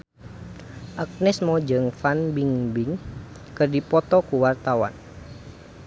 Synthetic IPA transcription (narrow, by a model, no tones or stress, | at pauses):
ʔak̚nɛsmɔd͡ʒəŋfanbiŋbiŋ | kɨrdipɔt̪ɔkuwart̪awa̰n